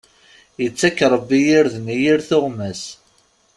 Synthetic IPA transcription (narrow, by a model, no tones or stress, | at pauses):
jət͡sːækːɾˤəbːijiɾðnijiɾθʊʁmæs